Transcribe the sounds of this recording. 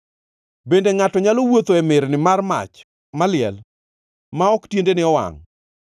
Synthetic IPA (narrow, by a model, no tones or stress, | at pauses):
bendeŋatɔɲalowot̪oɛmɪɾnɪmarma̰t͡ʃ | malɪɛ̰l | maɔktjendenɪɔwa̰ŋ